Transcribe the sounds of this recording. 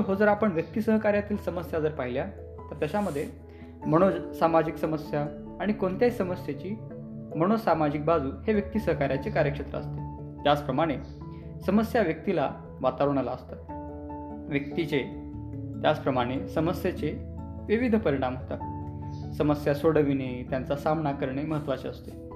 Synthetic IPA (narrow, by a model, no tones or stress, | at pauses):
ɦod͡zəɾapəɳʋjək̚t̪isəɦəkaɾjat̪iːlsəməsjad͡zəɾpaɦilja | t̪əɾt̪jaɕaməd̪ʱːje | məɽ̃osamad͡ʑiksəməsja | aɽ̃ikoɳt̪jaisəməsjet͡ɕiː | məɽ̃osamad͡ʑik̚bad͡zuːheʋjək̚t̪isəɦəkaɾjat͡sekaɾjəkʂət̪ɾə̰ə̰st̪e | t̪jat͡spɾəmaɽ̃e | səməsjaʋjək̚t̪ila | ʋat̪aɾɳ̃alaəst̪a | ʋjək̚t̪it͡se | t̪jat͡spɾəmaɽ̃esəməsjet͡se | ʋiʋid̪ʱpəɾiɽ̃amɦot̪a̰ | səməsjasoɽəʋinet̪jant͡sasamnakəɾɳeməɦət̪ːʋat͡seəst̪e